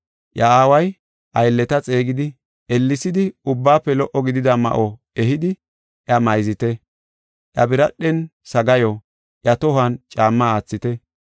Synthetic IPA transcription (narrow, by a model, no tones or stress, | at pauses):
ʔjɐaːwɐj | ʔɐjlːɛt̪ɐt͡sʼe̞ːɡɪd̪ɪ | ɛlːɪsɪd̪ɪʊbːaːpːɛlɔʔɔɡɪd̪ɪd̪ɐmɐ̰ʔɔ | ɛɦɪd̪ɪ | ʔjɐmɐjzɪt̪ɛ | ʔjɐbɪɾɐɗːɛnsɐɡɐjɔ | ʔjɐt̪ɔhɐnt͡ʃʼaːmːaaːt͡sːɪt̪ɛ